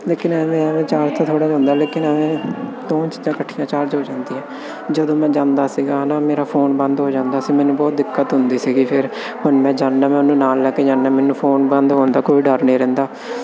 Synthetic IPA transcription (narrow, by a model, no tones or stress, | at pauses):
leːkɪnɛːmẽəmɛ̃ːt͡ʃaːɾt̪ãːt̪ʰoːɽaːd͡ʒãːnd̪aːleːkɪnəʋɛ̃ːd̪õːt͡ʃɪd͡ʒãːkəʈʰːijãːt͡ʃaːɾt͡ʃɦoːd͡ʒãːnd̪iːɦɛ̃ː | d͡ʒəd̪õːmɛ̃ːd͡ʒãːnd̪aːsiːɡaːnaːmeːɾaːpʰoːnbənd̪ɦoːd͡ʒãːnd̪aːsiːmɛːnũːbɔːt̪̚d̪ɪkːət̪ɦʊnd̪iːsiːɡiːpʰɪɾ | hʊnmɛ̃ːd͡ʒãːnːãːmɛ̃ːnũːnaːlːɛːkeːd͡ʒãːnːãːmɛːnũːpʰoːnbənd̪ɦoːnd̪aːkoːiːɖəɾnẽːɾɛ̃ːnd̪aː